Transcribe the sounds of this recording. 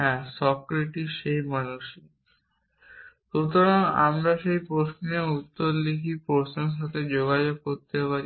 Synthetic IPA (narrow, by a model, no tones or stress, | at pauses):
ɦɛ̃sɔkɾeʈiʃejmanuʃi | ʃut̪oɾana̰mɾaʃejpɾosniout̪ːoɾlikʰipoɾsnenʃ̬at̪ʰed͡ʑoɡad͡ʑoɡ̚koɾt̪epaɾi